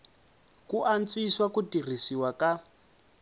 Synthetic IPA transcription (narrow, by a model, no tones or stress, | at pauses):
kuʔant͡sʼwiswakutir̤isiwaka